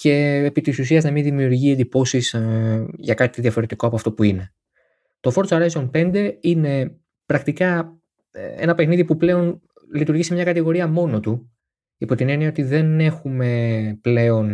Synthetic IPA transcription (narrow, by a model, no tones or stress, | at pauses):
ce̞ːpit̪isusiɐznɐminðimiuɾʝiend̪ipo̞sis | ʝɐkɐt̪it̪iðiɐfo̞ɾe̞t̪ikoɐpoɐft̪o̞puine̞ | t̪o̞fo̞ɾt͡sɐɾɐzonpe̞nd̪e̞ine̞ | pɾɐkt̪ikɐ | e̞̰nɐpe̞xniðipuple̞o̞n | lit̪uɾʝisemɲɐkɐt̪iɣo̞ɾiɐmo̞no̞t̪u | ipo̞t̪ine̞niɐot̪iðe̞ne̞xume̞ple̞o̞n